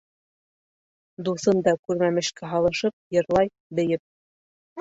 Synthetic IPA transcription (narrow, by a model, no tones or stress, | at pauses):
d̪uθɤnd̪ɑkʉɾmæmɘ̆ʃkæɦɑlˠɤ̆ʃɤp̚jɤ̆ɾlˠɑj | bɘ̆jɘp̚